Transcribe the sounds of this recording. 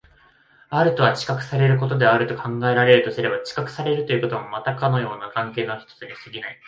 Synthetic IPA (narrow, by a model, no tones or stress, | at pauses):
aɾɯ̟t̪o̞βat͡ɕi̥kakɯ̟̥saɾe̞ɾɯ̟k̬o̞t̪̬o̞d̪e̞aɾɯ̟t̪okʰãŋɡae̞ɾaɾe̞ɾɯ̟t̪o̞sɨɾe̞bat͡ɕi̥kakɯ̟̥saɾe̞ɾɯ̟t̪o̞jɯ̟ko̞t̪omamat̪akano̞jo̞ːnakãŋke̞ːnoçʲi̥t̪o̞̥t͡sɨd̪esɨɡʲinai